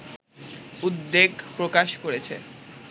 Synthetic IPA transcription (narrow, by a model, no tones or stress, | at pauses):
ud̪ːeɡpɾokaʃkoɾet͡ɕʰḛ